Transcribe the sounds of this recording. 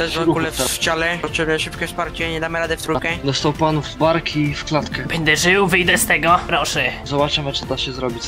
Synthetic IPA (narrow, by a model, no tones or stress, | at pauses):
ɛzvɔulɛft͡ɕalɛɔt̪ʂɛmnɛʂɘpkʲɛfspaɾt͡ɕɛɲɛd̪amɘɾad̪ɛft̪ɾukɛd̪ɔst̪awpanuvbaɾkʰifklat̪kɛb̥ɛɲʲd̪ɛʐɘwvɘjd̪ɛst̪ɛɡɔpɾɔʂɛzɔbat͡ʂamɛt͡ʂɨd̪aɕɛzɾɔbʲit͡ɕ